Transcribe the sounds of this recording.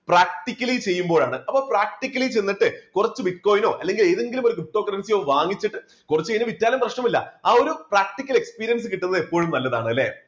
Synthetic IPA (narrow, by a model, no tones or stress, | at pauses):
praːk̚ʈikʲːɐlit͡ɕe̞jːumbo̞ːɭaːɳɨɐpːoːɭpraːk̚ʈikʲːɐlit͡ɕe̞nːiʈːɨkurɐt͡ɕːɨbiʈ̚ko̞ːjno̞ːʔɐlːe̞ŋɡile̞ːðeŋɡilumoɾukup̚ʈːo̞ːkːɐɾɐnsijo̞ːʋaːŋit͡ɕːiʈːɨ | kurɐt͡ɕːejnːɐʋitːaːlɐmprɐʂɳɐmilːɐ̰aːo̞ɾupraːk̚ʈikʲːɐle̞kspiːɾijɐns̬ɨkiʈːunːɐðepːoːɻumnɐlːɐða̰ːɳɨɐlːḛː